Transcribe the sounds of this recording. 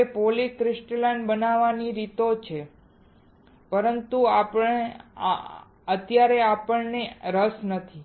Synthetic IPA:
epolikɾɪsʈlajnbənaʋaniɾit̪ot͡ʃʰe | pəɾənt̪uapəɳḛ | ət̪jaɾeapəɳneɾəsnət̪ʰi

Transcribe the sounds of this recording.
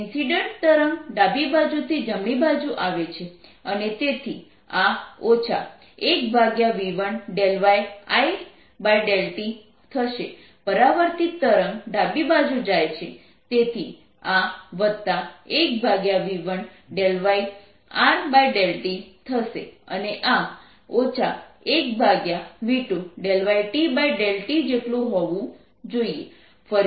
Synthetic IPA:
insiɖəɳʈ̚t̪əɾəŋɖabibad͡ʒut̪ʰid͡ʒəmɭibad͡ʒuʔaʋet͡ʃʰeənet̪et̪ʰi | aot͡ʃʰa̰ | ek̚bʱaɡjaʋiʋəɳɖelʋaja̰j | bajɖelʈi | t̪ʰəʃe | pəɾaʋəɾt̪ikt̪əɾəŋɖabibad͡ʒud͡ʒajt͡ʃʰe | t̪et̪ʰi | aʋət̪ːaek̚bʱaɡjaʋiʋən | ɖelʋaj | aɾbajɖelʈit̪ʰəʃḛəneʔa | ot͡ʃʰaek̚bʱaɡjaʋiʈuɖelʋajʈibajɖelʈid͡ʒeʈlũɦɔʋũ | d͡ʒoie | fə

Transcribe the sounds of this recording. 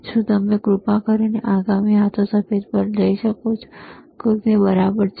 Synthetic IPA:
ʃũt̪əmeɡɾupãkəɾineʔaɡamiɦat̪ʰosəpʰed̪pəɾd͡ʒəiʃəkot͡ʃʰkokebəɾabəɾt͡ʃʰ

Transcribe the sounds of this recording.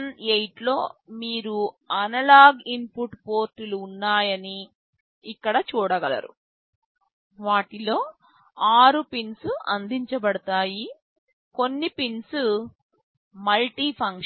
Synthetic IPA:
nejʈlo̞ːmiːɾu | ɐnɐlaːɡimpuʈpo̞ːɾtuluːnːaːjɐniː | kːɐɽɐt͡ʃuːɽɐɡɐlɐ̰ɾṵ | ʋaːʈilo̞ː | aːɾupinsuɐ̰nd̪iɲt͡ʃɐbɐɽɐt̪aːji | ko̞nːipinsu | mɐlʈiːpʰɐŋk

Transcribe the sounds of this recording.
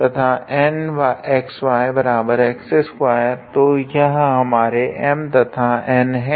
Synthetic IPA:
t̪ɐt̪ʰaɛːnʋaɛːksʋaːebɐɾaːbəɾɛːksɛsɦuaɦɛt̪ojɐɦɦɐmaːɾeʔɛmt̪ɐt̪ʰaɛːnɦɛ̃

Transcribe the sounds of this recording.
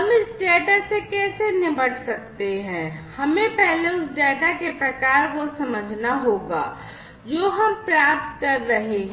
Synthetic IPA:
ɦɐmɪsɖɛːʈasekɛːsenɪbəʈʰsɐk̚t̪eɦɛ̃ːhɐmẽpɛɦleʊsɖɛːʈakepɾɐkaːɾkosɐməd͡ʒʱnaɦoːɡa̰ː | d͡ʒoːɦɐmpɾaːp̚t̪kɐɾːɐɦeɦ

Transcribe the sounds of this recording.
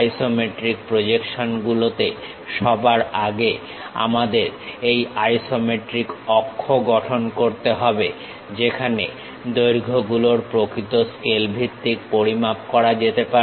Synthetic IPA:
jsomeʈɾik̚pɾod͡ʑekʃonɡulot̪e | ʃɔbaɾaɡe | a̰mad̪eɾejajsomeʈɾikɔkʰːoɡɔʈʰonkoɾt̪eɦɔbe | d͡ʑekʰane | d̪ojɾɡʱoɡuloɾpɾokɾit̪oskelbʱit̪ːikpoɾimap̚kɔɾad͡ʑet̪epa

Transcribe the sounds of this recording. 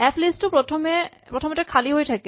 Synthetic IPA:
ɛpʰlisʈopɾɔtʰɔme | pɹɔtʰɔmetakʰaliɦojtʰake

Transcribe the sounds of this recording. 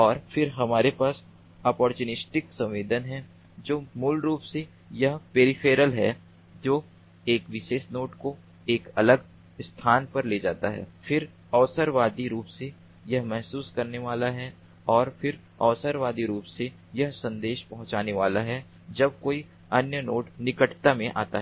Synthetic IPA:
ɔːɾfɪɾɦɐmaːɾepaːs | ɐːpɔːɾt͡ʃuːnɪsʈɪksɐ̃mʋeːd̪ənɦɛ | d͡ʒoːmʊlɾuːpse | jɐɦpeːɾɪfʰeːɾəlɦɛ | d͡ʒoː | eːkʋɪʃeːsnoːʈko | eːkɐləɡ | st̪ʰaːnpɐɾleːd͡ʒaːt̪aɦɛ̰ːfɪɾ | ɔːsəɾʋaːd̪iɾuːpse | jɐɦmɛɦsuːskɐɾneʋaːlaɦɛ | ɔːɾfɪɾ | ɔːʋsəɾʋaːd̪iɾuːpse | jɐɦsɐ̃nd̪eːʃpɐɦʊ̃t͡ʃaːneʋaːlaɦɛ | d͡ʒɐb̚koːi | ɐnjənoːʈnɪkəʈt̪amẽʔa̰ːt̪aɦɛ

